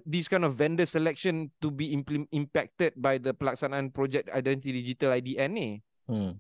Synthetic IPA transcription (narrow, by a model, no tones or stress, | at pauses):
diskãjnɔfvɛ̃ndəsəlɛk̚ʃə̃ntubimĩmpɛk̚tət̚bajdəpəlak̚sanãnpɹɔd͡ʒɛk̚ta̰jdɛ̃ntit̪idid͡ʒitəlajdiʔɛ̃ne